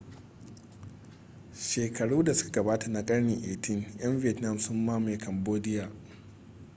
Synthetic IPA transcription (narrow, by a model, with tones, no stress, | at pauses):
ʃeː˨kʰɐ˨ɽuː˦da˨sʊ̥˦kḁ˨ɡɐ˨baː˦ta˨na˨kʼɐ˦ɽne˨ʔeː˨tʰɪ˦ŋj̰ɐ˦mvɪ˦˨ɛ˨tna˦˨msʊ˦mːaː˦ma˨kʰɐ˨mboː˦dɪ˦jaː˨